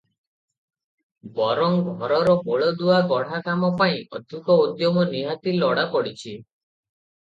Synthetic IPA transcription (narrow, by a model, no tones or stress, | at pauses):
bɔɾɔŋɡʱɔɾɔɾɔpoɭɔd̪uaɡɔɽ̤akamɔpaĩʔɔ̰d̪ʱikɔud̪jɔmɔniɦat̪ilɔɽapɔɽit͡ʃʰi